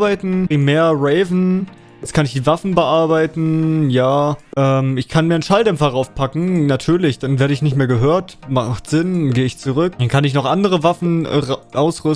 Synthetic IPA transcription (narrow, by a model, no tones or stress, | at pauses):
baɪtn̩ʁ̥imeːɐʁɛɪvn̩ | ɛt͡skʰanɪçd̥iːvafn̩bəʔaɐbaɪtn̩jaːʔɛːmɪçkʰanmiːɐnʃaldɛmfɐʁaʊfpʰakŋ̩natʰyːɐlɪçd̥anveːɐɾəɪçnɪçtmeːɐɡəɦøːɐtmaχtz̥ɪnɡeːəɪçt͡suʁʏkd̥ankʰanɪçnɔχʔandəʁəvafn̩ʁʔaʊsʁʏ